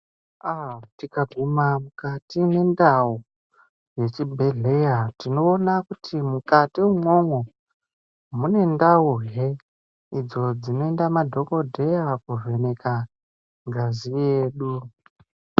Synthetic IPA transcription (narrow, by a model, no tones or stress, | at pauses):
atikaɡʱumamukatine̞ndau | je̞t͡ʃibʱe̞ɮe̞jatino̞ːnakutʰimukatiwuŋo̞ŋo̞ | mune̞ndauɦe | id͡zo̞d͡zino̞endamadʱo̞ko̞dʱe̞jakuve̞ne̞ka | ŋɡazije̞ːɗu